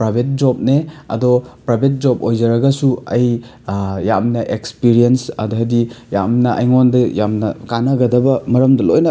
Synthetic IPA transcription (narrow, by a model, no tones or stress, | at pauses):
pɾabʱet̚d͡ʒɔp̚neɐ̰dɔpɾabʱet̚d͡ʒɔp̚ojzɐɾɐɡɐsuɐj | jamnɐʔekspiɾiensɐ̰dɔɦajdijamnɐʔɐ̰jŋondɐjamnɐkanɐɡɐdɐbɐmɐɾɐmdɐlojnɐ